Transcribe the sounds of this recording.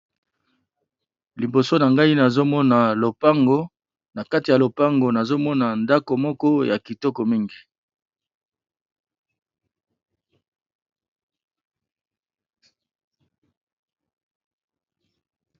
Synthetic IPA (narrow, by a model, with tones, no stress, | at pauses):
li˨bo˨so˦na˨ŋɡa˦i˦na˨zo˦mɔ˦na˨lo˨pa˦ŋɡo˦ | na˨ka˦ti˨a˨lo˨pa˦ŋɡo˨na˨zo˦mɔ˦na˨nda˦ko˨mɔ˦kɔ˦ja˨ki˨tɔ˦ko˨mi˦ŋɡi˨